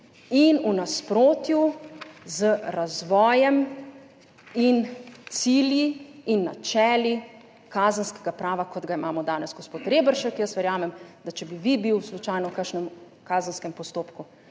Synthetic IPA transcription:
inunaspɾoːt̪juzəɾazʋɔːjɛm | int̪siljiːnːat͡ʃɛːli | kaːzənskɛɡapɾaːʋakɔd̪ɡaimaːmɔd̪aːnɛzɡospoːt̪ɾeːbəɾʃɛkjəsʋɛɾjaːmɛmd̪at͡ʃɛbiʋibiwslut͡ʃaːjnɔwkəʃnɛm | kaːzənskɛmpɔst̪oːpku

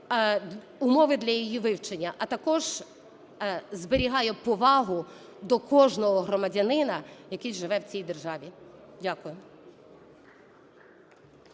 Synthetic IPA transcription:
ʊmɔʋɪd̪lʲɐjijiʋɪwt͡ʃenʲːɐʔɐt̪ɐkɔʒ | zbɪɾʲiɦɑjɛpɔʋɑɦʊ | d̪ɔkɔʒnɔɦɔɦrɔmɐdʲɐnɪnɐjɐkɪjʒɪʋɛwt͡sʲijd̪e̞rʒɑʋʲidʲakʊjʊ

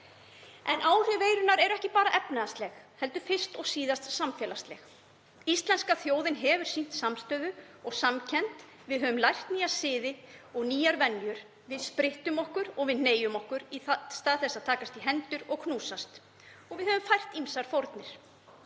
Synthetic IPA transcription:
ɛnʔaːwr̥ʏveːjɾʏnaɾɛɾɛhcɪpaːɾaʔɛpnaðast̪lɛxhɛl̪t̪ʏ̥fɪr̥st̪ɔɣsiːðast̪samfjɛːlast̪lɛx | ist̪lɛnskaθjoːwðɪnɦɛvʏɾ̥sin̥t̪samst̪œːðʏ | ɔɣsamcʰɛnt̪ | vɪðɦœːvʏmlajr̥t̪niːjasɪːðɪɔɣniːjaɾvɛnːjʏɾ̥ | vɪðspɾɪht̪ʏmɔhkʏɾɔɣvɪðneːjʏmɔhkʏɾist̪aːðθɛsaðt̪ʰaːkast̪iɦɛnt̪ʏɾɔɣkʰnuːsast̪ | ɔɣvɪðhœvʏmfajr̥t̪imsaɾ̥fowɾt̪nɪɾ̥

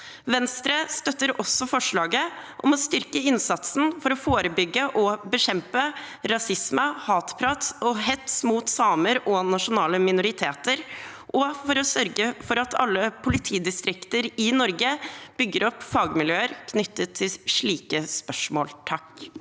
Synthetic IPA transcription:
ʋɛnst̪ɾəst̪œt̪ːəɾʔɔsːɔfɔʂɭɑːɡəʔɔmɔst̪ʏɾkəɪnsɑt̪sn̩fɔɾɔfoːɾəbʏɡːəʔɔbəɕɛmpəɾɑsɪsməhɑːt̪pʰɾɑt̪sɔɦɛt̪smuːt̪sɑːməɾɔnɑʂʊnɑːləmɪnʊɾɪt̪ʰeːt̪əɾ | ʔɔfɔɾɔsœɾɡəfɔɾɑt̪ʰɑ̰lːəpʰʊlɪt̪ʰiːd̪ɪst̪ɾɪkt̪əɾɪnɔɾɡəb̥ʏɡːəɾɔpfɑːɡmɪljøːəɾkʰnʏt̪ːət̪ʰːɪlʂɭiːkəspœʂmo̰ːlt̪ʰɑk

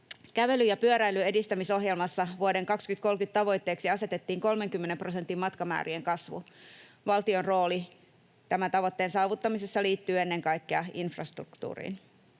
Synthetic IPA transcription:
kæʋe̞lyjɑpyøɾæilye̞dist̪æmiso̞ɦjelmɑsːɑʋuodeŋkɑkskyt̪ko̞lkyt̪t̪ɑʋo̞jt̪ːe̞ːksiɑse̞t̪e̞t̪ːiːŋko̞lme̞ŋkymːenempro̞se̞nt̪ːˑimmɑt̪kɑmæ̰ːɾieŋkɑsʋṵ | ʋɑlt̪ionro̞ːli | t̪æmænt̪ɑʋot̪ːe̞ːnsɑːʋut̪ːɑmisesːɑliːt̪ːyːe̞nːeŋkɑjkːeɑinfrɑst̪rṵkt̪ṵːrḭːn

